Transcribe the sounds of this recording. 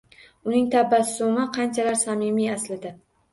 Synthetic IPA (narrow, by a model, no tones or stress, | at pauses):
ʊnɪŋt̪ʰabːasɪ̥somaqʰɑnt͡ʃʰalaɾsamimijaslɪd̪ɪ